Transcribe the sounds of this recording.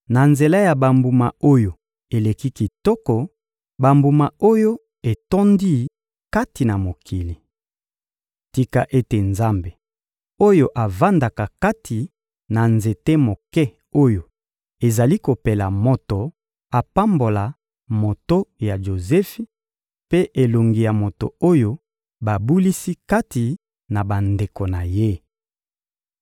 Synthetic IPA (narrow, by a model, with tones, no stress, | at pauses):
na˨nze˨la˦ja˨ba˨mbu˨ma˨o˦jo˨ | e˨le˨ki˦ki˨tɔ˦kɔ˨ | ba˨mbu˨ma˨o˦jo˦ | e˨tɔ˦ndi˦ | ka˦ti˨na˨mo˨kʰi˨li˨ | ti˨ka˨ʔe˦te˨nza˦mbe˨ | o˦jo˦ʔa˨va˦nda˨ka˨ka˦tʰi˨ | na˨nze˨te˦mo˨kɛ˦ | o˦jo˨ | e˨za˨li˦ko˨pe˨la˨mo˨to˨ | a˨pa˦mbo˨la˨ | mo˨to˦ja˨ʒo˨zɛ˦fi˦ | pe˦ʔe˨lo˨ŋɡi˨ja˨mo˨to̰˨o˦jo˦ | ba˨bu˦li˦si˦ka˦ti˨ | na˨ba˨nde˨ko˨na˨je˦